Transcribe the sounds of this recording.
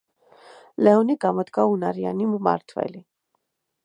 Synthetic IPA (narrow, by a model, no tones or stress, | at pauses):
lɛɔnikɑmɔt̪kaunɑɾija̰nimumɑ̰ɾt̪ʰvɛ̰li